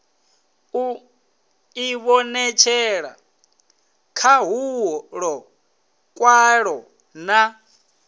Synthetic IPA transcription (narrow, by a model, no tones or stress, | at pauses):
u | iβɔnɛt͡ʃʰɛɺa̰ | kʰaɦuɦɔɺɔ | kʼwaɺɔ | na